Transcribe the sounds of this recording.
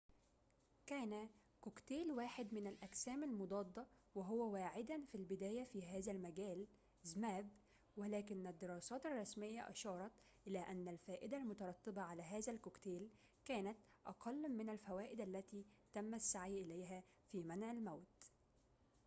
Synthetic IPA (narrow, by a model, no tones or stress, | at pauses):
kæːnæ | kʊkt̪eːlwaːħɪd̪mɪnælʔæksæːmalmʊd̪ˤɑːd̪ˤːɑ | wɪɦʊwæwaːʕɪd̪ænfilbɪd̪æːjæfiːɦæːzælmæɡæːl | zmæːb | wælæːkɪnːæd̪ːɪɾˤɑːsɑːt̪ɑrˤːɑsmɪjːæʔɑ̰ʃɑːɾˤɑt̪ | ʔɪlæːʔænːælfæːʔɪd̪ælmʊt̪ɑɾˤɑt̪ːɪbɑʕalæːɦæːzælkʊkt̪eːl | kæːnæt̪ | ʔɑ̰qʰɑlːmɪnælfæwæːʔɪd̪ælːæt̪iːt̪æmːæsːaʕjʔɪlæjɦæ | fiːmænʕɪlmæwt̪